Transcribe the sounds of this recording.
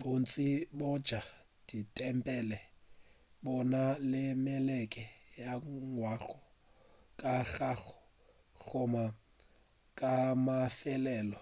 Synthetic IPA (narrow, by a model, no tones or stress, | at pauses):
bont͡sʼibɔd̥d͡ʒ̥ʱa | d̥itʼɛmpʼɛlɛ | bɔnalɪmɛlɛkʼɛjaŋwaɣɔ | kʼaɣaɣɔ̥ | ɣɔma | kʼamafɛlɛːlɔ